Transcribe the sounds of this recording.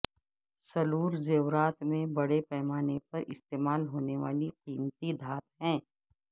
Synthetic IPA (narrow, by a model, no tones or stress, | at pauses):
sɐluːɾzeːʋɾaːt̪mẽbɐɽepɛːmaːnepɐɾɪ̰st̪eːmaːlɦoːneʋaːliqiːmt̪id̪ʱaːt̪ɦɛ̃ː